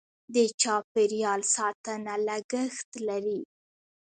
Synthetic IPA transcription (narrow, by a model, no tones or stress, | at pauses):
d̪ət͡ʃɑpeɾjɑlsɑt̪ənaləɡəxt̪laɾi